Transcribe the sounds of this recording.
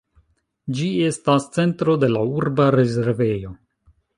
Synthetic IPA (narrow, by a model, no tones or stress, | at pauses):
d͡ʒie̞stast͡se̞ntɾo̞de̞lauɾbaɾe̞ze̞ɾve̞jo̞